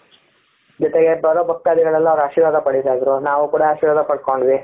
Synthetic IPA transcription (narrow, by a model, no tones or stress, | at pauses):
d͡ʒɔt̪eɡe̞bɐɾobʱɐkːaːd̪iɡɐɭɐlːuɐʋɾɐʃiːɾʋaːd̪ɐpɐɽisaːjd̪ɾunaːʋukuːɽaaʃiːɾʋaːd̪ɐpɐɽko̞ɳɖʋi